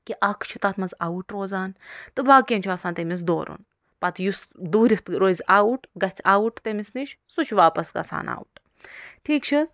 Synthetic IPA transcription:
kiʔɐkʰt͡ʃʰu̥t̪aːt̪ʰmɐzaːuʈɾoːzaːnt̪ɨbaːkʲent͡ʃʰɐːsaːnt̪emis̬d̪o̰ːɾṵn | pɐt̪ʰjusd̪uːɾift̪ɾoːzaːuʈɡɐtʲʰaːuʈt̪emisniʃʰ | sut͡ʃʰʋaːpɐsɡɐ̰t͡sʰa̰ːna̰ːuʈ | ʈʰiːkt͡ʃʰis

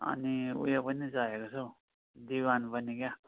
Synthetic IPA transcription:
ʌ̰niṵjopʌnid͡zaekot͡sʰo | d̪iwanpʌnikjã

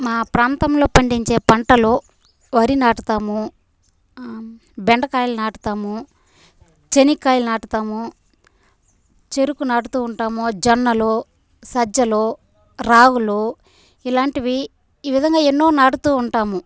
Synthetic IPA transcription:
maːpɾaːnt̪ɐmlo̞ːpɐɳɖiɲt͡ʃe̞ːpɐɳʈɐloː | ʋɐɾinaːʈut̪aːmu | bɛɳɖɐkaːjlunaːʈu̥t̪aːmu | t͡ʃenikaːjlunaːʈut̪aːmu | t͡ʃe̞ɾukunaːʈut̪uːɳʈaːmod͡ʒɐnːɐloː | sɐd͡ʒɐloː | ɾaːɡuloː | ilaːɳʈiʋiː | ʋid̪ʱɐŋɡaːenːo̞ːnaːʈut̪uːɳʈaːmu

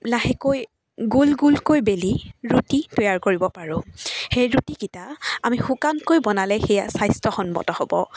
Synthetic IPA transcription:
laɦɛkoj | ɡulɡulkojbeliɹutitɔjaɹkoɹibɔpaɹʊ̃xejɹutikitaamixukankojbɔnalɛxɛjasajstɔxɔnbɔ̰tɔhɔbɔ̰

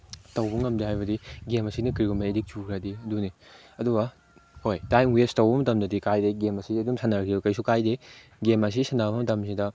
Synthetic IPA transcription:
tɐwbɐŋɐmdihajbɐdiɡemɐsinɐkɾiɡumɐedik̚t͡ʃukʰɾadiɐduni | ɐduɡɐ | hojtajnwestɐwbɐmɐtɐmdɐdikajdeɡemɐsiɐdumsanaɾɐkʰiukɐjsukajde | ɡemɐs̬isanabɐmɐtɐmsidɐ

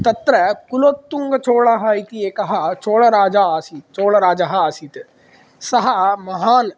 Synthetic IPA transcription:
t̪ɐt̪ɾəkʊloːt̪ːʊŋɡt͡ʃoːɭɐɦaːit̪ieːkɐɦat͡ʃoːɭaɾaːd͡ʒaːsit͡ʃoːɽaɾaːd͡ʒaɦaaːsit̪ | sɐɦamɐɦaːn

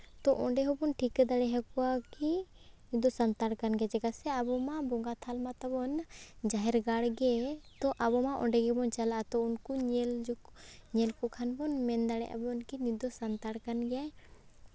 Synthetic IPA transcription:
t̪ɔʔɔɳɖɛɦɔbɔnʈʰikd̪aɽɛɦakɔwaki | nid̪ɔsant̪aɽkanɡɛad͡ʒɛɡasɛabɔmabɔŋɡat̪ʰalmat̪ɔbɔnd͡ʒaɦɛɾɡaɽɡɛt̪ɔʔabɔmaʔɔ̰ɖɛɡɛbɔnt͡ʃalaʔat̪ɔunkuɲɛld͡ʒɲɛlkɔkʰanbɔnmɛnd̪aɽɛ̰ʔa̰bɔnkinid̪ɔsant̪aɽkanɡɛjaj

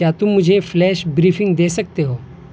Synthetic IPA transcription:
jaːt̪ʊmːʊd͡ʒʱeflɛːʃbɾiːfɪ̃ŋɡd̪eːsɐk̚t̪eɦoː

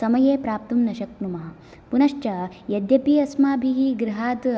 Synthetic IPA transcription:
sɐmɐjeːpɾaːp̚t̪umnɐʃɐk̚numɐɦɐ | punɐʃt͡ʃɐ | jɐd̪jɐpiːɐsmaːbʱiɦiːɡɾiɦaːt̪

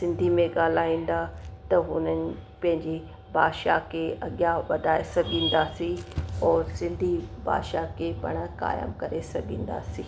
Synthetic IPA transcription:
sɪ̃nd̪ʱimẽɡaːl̤aːĩːn̆d̪at̪ɐɦʊnənɪ̆pɐ̃ɦɪ̃ɲd͡ʑi | baːd̪ʃa̰kʰeʔɐɠjaʋɐd̪ʱaːesɐɡʱĩːn̆d̪asĩɔːɾsɪ̃nd̪ʱiba̰ːd̪ʃakʰepɐ̰ɽ̃ka̰ːjə̰mkɐɾesɐɡʱĩːnd̪a̰ːsĩː

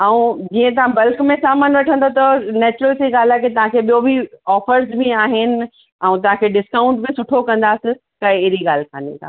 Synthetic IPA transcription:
ɛũd͡ʑiːə̃t̪̬ɐʋãbɐlkmẽsaːmaːnʋɐʈʰə̃nd̪ot̪ɐnɛːt͡ɕʊɾəlsiɡaːl̤aːket̪ɐʋ̤ãkʰeɓijobʱiɔːfəɾsbʱiaːɦɪnɪ̆ | ɛ̃ũt̪ɐʋ̤ɦãkʰeɖɪskaːʊ̃ɳʈbɪsʊʈʰokɐ̃nd̪aːsɪ̃ | kɐɦeɪɾiɠaːlkʰa̰ːnḭ̃tʰa̰ː

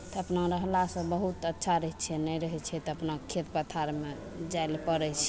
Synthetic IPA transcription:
t̪ɔəpnaɾəɦlasə̃bəɦut̪ətːʃʰaɾəɦɛt͡ʃʰɛnɛɾəɦɛt͡ʃʰɛt̪ɔəpnakʰːet̪pət̪ʰaɾme | d͡ʒajlpəɾɛt͡ʃʰɛ

